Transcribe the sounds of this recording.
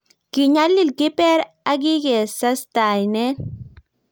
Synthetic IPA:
ki˨ɲa˦lːi˦lɡi˦pe˦ɾ | a˦ɡi˦ɡe˨sɐ˦st̪aː˨jne˦

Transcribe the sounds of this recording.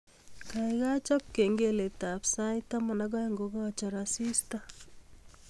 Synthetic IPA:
kajɡa˦t͡ʃɔ˦p̚ke˨ŋɡe˦le˨tapsajtama˨naɡa˦jŋɡoɡa˦t͡ʃɔ˨ɾasi˦sta

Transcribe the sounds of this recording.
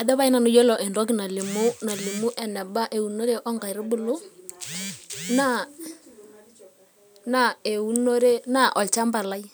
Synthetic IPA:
a˨ðɛ˦βa˦i˦na˨nʊ˦jo˦lɔ˨ʔɛ˨ndɔ˦k̬ɪ˨na˨lɪ˨mʊ˦na˨lɪ˨mu˦ʔɛ˨nɛ˨ba˦ʔe˨u˨no˦ɾe˦ʔɔ˦ŋɡa˨ɾɪ˦bʊ˦˨lʊ˦ | na˦˨ | na˨e˨u˦no˦ɾe˦na˦˨ʔɔ˨lt͡ʃa˦mba˨la˦i˦

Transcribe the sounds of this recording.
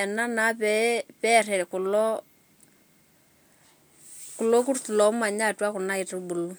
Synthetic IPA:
ɛ˨na˦na˨˦pɛ˦pɛ˦rɛ˨kʊ˨lɔ˦ | ku˨lɔ˦k̬u˦rtu˨lɔ˨˦ma˨ɲa˦twa˦kʊ˨na˦ɪ˨tu˦bu˨lu˦

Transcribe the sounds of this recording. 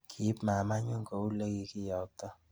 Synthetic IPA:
kʰi˨˦pma˨ma˦ɲʊ˦ŋkɔ˨u˦le˦ɡi˨kɪ˦jɔ˨k̚tɔ˦

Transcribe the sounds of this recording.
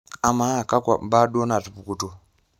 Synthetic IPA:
a˨ma˦˨ka˦kʷa̰˨ba˦ɗo˦na˨tu˨pu˨ku˨to˨

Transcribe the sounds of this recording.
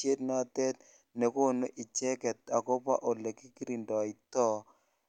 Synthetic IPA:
e˦tna˦˨t̪ɛ˦t̪ | nɛ˨ko˦˨no˦ʔi˨t͡ʃɛ˦kɛ˨t̪̚a˨ko˦pa̰˦ʔo˨le˨ki˦ki˦ɾi˨ndɔ˨i˨t̪ɔ˦

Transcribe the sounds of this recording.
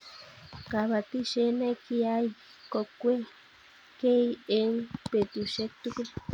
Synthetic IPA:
ka˨βa˨t̪i˦ʃe˧˦nẽ˦ki˧a˦i˧ | ko˧kʷe˦ | ke˦i˦e˧˦ŋpe˨t̪u˧ʃe˦t̪u˦kɾi˦

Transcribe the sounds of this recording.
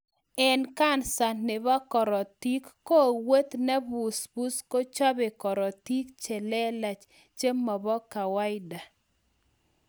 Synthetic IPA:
ɛ˦nka˦nsa˨ne˨ba˦kɔ˨ɾɔ˨ti˦kːo˦˨we˦t̪nɛ˦bu˨sbu˦sko˦t͡ʃa˦bɪ˨kɔ˨ɾɔ˨t̪i˦kt͡ʃɛ˨lɛ˦la˨t͡ʃ | t͡ʃe˦mɔ˨bɔ˦ka˨wa˦ɪ˦da˨

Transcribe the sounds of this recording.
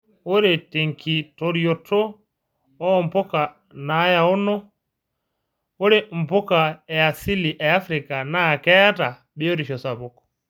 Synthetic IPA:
o˦ɾɛte˨ŋkʰi˨toɾiɔtʰːɔ˦ | ɔ˦mpɔ˦ka˨ | na˨˦ja˨ɔ˦nɔ˦ | o˦ɾɛm̩˨pɔ˦ka˨ɛ˨a˨si˦li˨ʔɛ˨a˦fɾika˨na˦kɛ˦a˦ta˨ | ɓɛ˦o˦ɾi˨ʃɔ˨sa˨bɔkɔ̥

